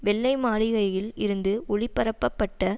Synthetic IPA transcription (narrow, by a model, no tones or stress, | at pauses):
ʋɛɭːɐɪmaːɭɪɣɐjɪlɪɾɯnd̪ɯʔʊɭɪpːɐɾɐpːɐpːɐʈːɐ